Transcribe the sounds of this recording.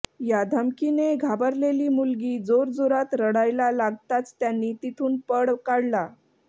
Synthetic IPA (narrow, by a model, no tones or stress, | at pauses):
jad̪ʱəmkineɡʱabəɾleliːmulɡiːd͡zoɾd͡zoɾat̪ɾəɽajlalaɡt̪at͡st̪janːiːt̪it̪ʰuːnpəɽkaɽla